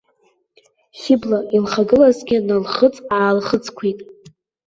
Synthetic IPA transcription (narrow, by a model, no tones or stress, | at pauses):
χʲɪblaʔilχaɡɨlazɡʲɪnalχət͡sʼaːlχət͡sʰʼkʷʰitʼ